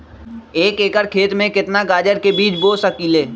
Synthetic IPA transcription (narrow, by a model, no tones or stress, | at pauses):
eːkeːkəɾkʰeːt̪mẽkɪt̪naɡaːd͡ʒəɾkebiːt͡ʃboːsəkiːleː